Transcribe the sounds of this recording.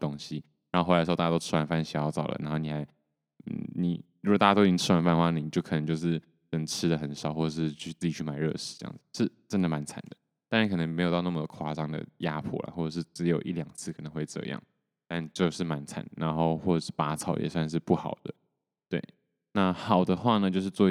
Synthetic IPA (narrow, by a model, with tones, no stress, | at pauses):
t̪o˥ŋɕi˧ | ɻa˨˧˥xo˥xa˥˩˥t̪ʊʈ͡ʂ̩ʰ˥wa˧˥nfa˥nɕi˨˩˦jɑ˥˧ʊt͡sɑ̰˨˩ʊlə̰˩na˧˥nxo˥ʊni˨˩xa˧˥ɪ̰˥˩ | ni˨˩ɻu˧˥ɡt̪a˥˩a˥t̪o˥˧˥ʈ͡ʂ̩ʰ˥wa˧˥npa˥˧nxwa˥˧n˧˨˩i˨˩t͡ɕjo˥˩ʊkʰɤ˨˩n˧˦t͡ɕjo˥˧ʊʂ̬ɻ̩˥˩ | kə˨˩ʈ͡ʂʰɻ̩˥d̪ə˨xə˨˦nʂɑ˨˩ʊxwɔ˥˩ʈ͡ʂə˨˩ʂɻ̩˥˧t͡ɕʰy˥˧t͡s̩˥˩t͡ɕi˨˩t͡ɕʰy˥˩ma˨˩ɪɻɤ̰˥˧ʂɻ̩˥˩ʈ͡ʂə˥jɑ̰˥˩ŋd͡z̥̩˩ʂɻ̩˥˩ʈ͡ʂə˥nd̪ə˨ma˧˦˥nt͡sʰa̰˨˩nd̪ə˦ | t̪a˥˧nɻa˥˩kʰɤ˨˩nə˧˥ŋme˧˥ɪo˨ʊt̪ɑ˥˧na˥˩mə˨d̪ə˨kʰwa˥ʈ͡ʂɑ˥ŋd̪ə̰˨˩ja˥pʰɔ̰˥˩la̰˩xwɔ˥˩ʈ͡ʂɤ˨˩ʂ̬ɻ̩˥˩ʈ͡ʂɻ̩˧˥jo˨˩ʊʔi˥˩ljɑ˨˩ŋt͡sʰɹ̩˥˩kʰɤ˨˩nə˧˦ŋxwe˥˧ɪʈ͡ʂɤ̰˥˧jɑ̰˥˩ŋ | t̪a˥˧nt͡ɕjo˥˧ʊʂɻ̩˥˩ma˧˥nt͡sʰa̰˨˩˦nna˧˥nxo˥˧ʊxwɔ˥˩ə˨˩ʂɻ̩˥˩pa˥t͡sʰɑ˨˥˩ʊjɛ̰˨˩swa˥˧nʂ̬ɻ̩˥˧pu˥˩xɑ˨˩ʊd̪ə˦ | t̪we˥˩ɪ | na˥˩xɑ˨˩ʊd̪ə˦xwa˥˩nə˩t͡ɕjo˥˧ʊʂ̬ɻ̩˧t͡swɔ˥˧